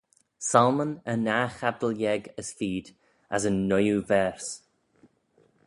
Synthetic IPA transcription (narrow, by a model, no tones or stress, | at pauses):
salˠmənənaxab̚d̪əlˠjɛɡəsfiːd̪ | asənːʊjuvɛːɹs